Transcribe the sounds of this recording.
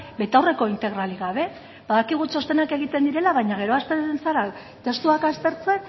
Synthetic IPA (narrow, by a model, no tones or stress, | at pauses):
be̞t̪awre̞ko̞int̪e̞ɣ̞ɾaliɣaβ̞e̞ | baðakiɣ̞ut͡ʃo̞st̪e̞nake̞ɣ̞it̪e̞nd̪iɾe̞laβajɲaɣe̞ɾo̞ast̪ensaɾa | t̪e̞st̪uakast̪e̞ɾt͡se̞n